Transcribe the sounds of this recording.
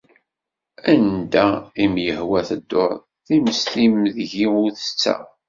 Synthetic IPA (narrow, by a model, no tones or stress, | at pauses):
ænd̪æimjəhwæθəd̪ːʊɾˤ | θiməslimðʝiʊɾθə̥t͡sːæ̰